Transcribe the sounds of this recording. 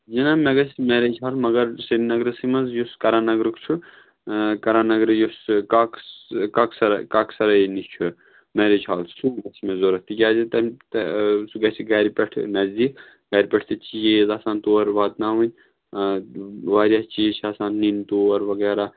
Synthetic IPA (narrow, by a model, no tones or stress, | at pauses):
d͡ʒinameɡɐsʲmɛːɾed͡ʒɦaːlmɐɡɐɾsɐnnɐɡɾɨsimɐnzjuskɐɾaːnɐɡɾɨkt͡ʃʰu | kɐɾaːnɐɡɾɨjuskakskɐksɐɾkaːksɐɾɐjnit͡ʃʰu | meɾed͡ʒɦaːlsuɡɐsmezoɾɐt̪ikʲjaːzʲit̪ɐmʲt̪suɡɐsiɡɐːɾpʲɐʈʰnɐzd̪iːk | ɡɐɾʲpʲɐʈʰt̪ɨt͡ʃijeːzaːsaːnt̪oːɐɾʋaːd̪naːʋɐnʲ | ʋaːɾʲjaːt͡ʃijt͡ʃʰaːsaːnːint̪oːɐɾʋɐɡɛːɾaː